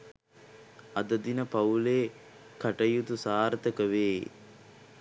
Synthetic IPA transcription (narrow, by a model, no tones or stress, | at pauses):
ɐd̪ɐd̪inəpɐuleː | kɐʈɐjut̪usaːɾət̪əkəʋeː